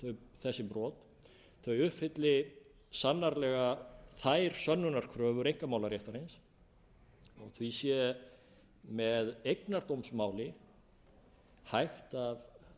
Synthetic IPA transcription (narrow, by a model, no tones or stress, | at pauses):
θœɥθɛsːɪpɾɔːt̪ | θœɥʏhpfɪt̪lɪ | sanːaɾlɛɣaθajɾ̥sœnːʏnaɾ̥kʰɾœːvʏɾejŋ̥kamawlaɾjɛht̪aɾens | ɔɣθvisjɛ | mɛðejknaɾt̪owmsmaːwlɪ | hajxt̪av